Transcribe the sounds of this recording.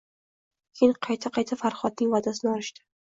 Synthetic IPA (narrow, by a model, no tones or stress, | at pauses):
kʲʰenqʰɑjt̪ʰaqʰɑjt̪ʰafaɾχɒt̪̚nɪŋvad̪asɪnɒɾɪʃd̪ɪ̥